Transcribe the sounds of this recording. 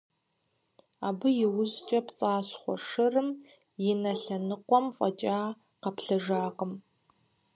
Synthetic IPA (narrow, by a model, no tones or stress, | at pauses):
aːbɨjɪwʊzt͡ʃʼɐpt͡sʼaːɕχʷɔ̰ʂɨrɨm | jɪnɐɬɐnɨqʷɔmfʼɐt͡ʃʼaː | qɐpʰɬɐʒaːqəm